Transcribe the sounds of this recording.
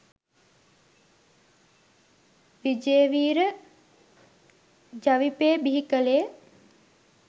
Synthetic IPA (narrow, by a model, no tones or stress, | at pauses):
ʋid͡ʒeːʋiːɾə | d͡ʒaʋipeːbiɦikəleː